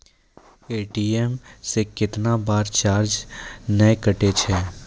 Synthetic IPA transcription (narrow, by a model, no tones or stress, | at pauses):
eːʈiemsekɪt̪nabaːɾt͡ʃaːɾd͡ʒnəjkəʈet͡ʃʰɛː